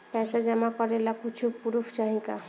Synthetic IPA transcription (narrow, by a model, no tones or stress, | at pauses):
pɛsad͡ʒamakɔɾelakut͡ʃʰupuɾuft͡ʃaɦĩka